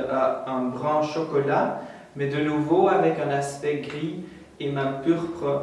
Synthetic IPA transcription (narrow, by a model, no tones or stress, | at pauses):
aɛ̃bʁɑ̃ʃɔkɔla | mɛd̪ənuvoavɛkɛ̃naspɛɡʁi | emãpyʁpχə